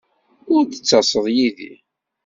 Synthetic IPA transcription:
ʊɾd̪ət͡sːɑsˤəðˤjiðḭ

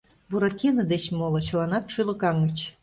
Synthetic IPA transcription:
buɾɑkʲenə̆d̪et͡ɕmolɤ̆t͡ɕə̆lɑnɑt̪ʃylə̆kɑŋət͡ɕ

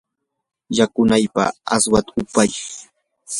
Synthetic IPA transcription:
jakʊnajpa̰a̰swat̪aʊpaj

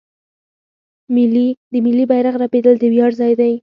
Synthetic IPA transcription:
mɪlid̪əmɪlːibajɾaɣɾaped̪əld̪əwjɑɽzɑjd̪aj

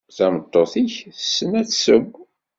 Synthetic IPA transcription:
θæmət̪ˤːoθiçəsːənæt͡sːsəɡʷː

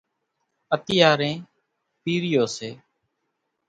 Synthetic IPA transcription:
ət̪ɪjaːɾẽː | piːɾɪjoːseː

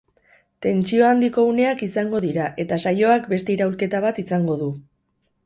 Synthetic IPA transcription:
t̪e̞nt͡sio̞and̪iko̞une̞akisaŋɡo̞ðiɾaʔe̞t̪asajo̞akbe̞st̪e̞iɾaulke̞t̪aβat̪isaŋɡo̞ðu

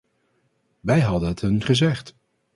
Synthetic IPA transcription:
ʋɛjɦɑdənɦətɦɵnχəzɛχt

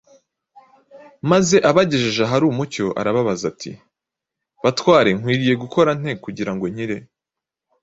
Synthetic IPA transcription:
maze̞ʔaβaɟe̞ʒeʒaɦaɾuːmuco̞ʔa̰ɾaβaβazatʰḭ | βatwaːɾe̞ŋ̥wiːɾije̞ɡuko̞ɾan̥e̞kuɟiɾaŋɡo̞ɲ̥iɾe̞

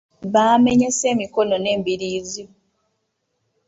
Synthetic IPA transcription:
βaːme̞ɲe̞se̞ːmiko̞no̞ne̞ːmbiɾiːzi

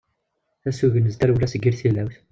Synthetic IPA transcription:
θæsuʝənəzt̪æɾwlæsəɡːiɾθilːæwθ

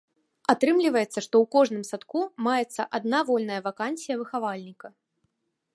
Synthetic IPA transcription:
at̪ɾɨmlʲivɐjɛt̪sːɐʂt̪ɔwkɔʐnɨmsat̪kumajɛt̪sːɐʔad̪̚navɔlʲnɐjɐvakanʲsʲijɐvɨxavalʲnʲikɐ

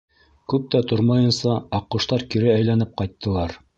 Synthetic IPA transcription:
kʉp̚t̪æt̪oɾmɑjɤ̆nsɑɑqːŭʃt̪ɑɾkiɾɘæjlænɘp̚qɑjt̪ːɤ̆lˠɑɾ

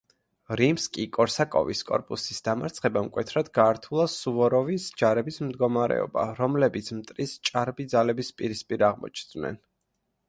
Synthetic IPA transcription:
ɾimskʼikʼɔɾsakʼɔ̰viskʼɔ̰ɾpʼusisd̪amaɾt̪sʰχɛbamkʼwɛt̪ʰɾad̪ɡaːɾt̪ʰulˠasuvɔɾɔvisd͡ʒaɾɛbismd̪ɡɔmaɾɛ̰ɔ̰ba̰ɾɔmlɛbit̪sʰmt̪ʼɾist͡ʃʼaɾbid̪zalɛbispʼiɾispʼiɾaʁmɔ̰t͡ʃʰnd̪nɛ̰n

